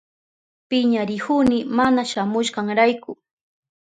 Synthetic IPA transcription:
pɪɲaɾɪhʊnɪmanaʃamʊʃɢɑŋɾajkʊ

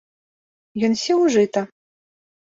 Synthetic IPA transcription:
jɔnsʲɛwʐɨt̪ɐ

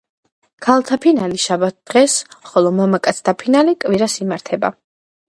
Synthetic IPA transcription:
kʰalˠt̪ʰapʰinaliʃabat̪̚d̪̥ʁɛsχɔlˠɔmamakʼat̪sʰt̪ʰapʰinalikʼviɾasimaɾt̪ʰɛba̰

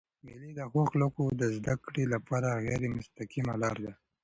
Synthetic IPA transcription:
milid̪əxoxləkod̪əzd̪akɽelapɑɾaɣɛɾemʊst̪akima̰lɑɾd̪a

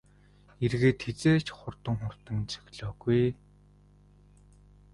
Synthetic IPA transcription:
erɣeːt̪xet͡seːt͡ɕʰχʊrt̪ə̆ŋχʊr̥t̪ə̆ŋt͡sɵ̥ɣʲɮɔːɣuj

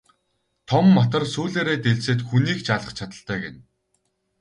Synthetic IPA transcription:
t̪ʰɔmːɔt̪ɞ̆rsuːɮeːɾeːt̪eɮseːt̪xuniːkt͡ɕaɮə̆χt͡ɕʰat̪ə̆ɬt̪œːɡen

